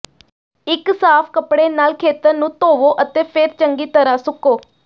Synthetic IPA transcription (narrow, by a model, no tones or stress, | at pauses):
ɪksaːpʰkəpɽeːnaːlkʰeːt̪əɾnũːt̪oːʋoːʔət̪eːpʰɪɾt͡ʃəŋɡiːt̪əɾaːsʊkoː